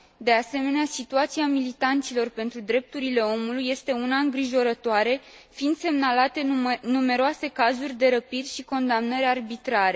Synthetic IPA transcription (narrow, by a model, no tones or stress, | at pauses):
d̪e̞ase̞me̞neasit̪uat̪siamilit̪ant̪silo̞rpe̞nt̪ɾud̪ɾe̞p̚t̪uɾile̞o̞mulujːe̞st̪e̞unaɨŋɡɾiʒo̞ɾət̪oaɾe̞ | find̪se̞mnalat̪e̞nume̞ɾoase̞kazurʲd̪e̞ɾəpirʲʃiko̞nd̪amnəɾarbit̪ɾaɾe̞